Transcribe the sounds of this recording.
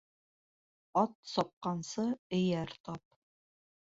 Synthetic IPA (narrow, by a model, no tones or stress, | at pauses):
ɒt̪sɒp̚qɑnsɤɘ̆jæɾt̪ɑp̚